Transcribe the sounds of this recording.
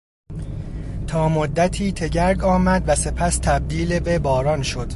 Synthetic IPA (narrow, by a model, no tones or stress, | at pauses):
t̪ʰɒːmod̪ːæt̪ʰiːt̪ʰe̞ɟæɾɡɒːmæd̪væse̞pʰæst̪ʰæb̚d̪iːlebebɒːɾɒːnʃo̞d̪̥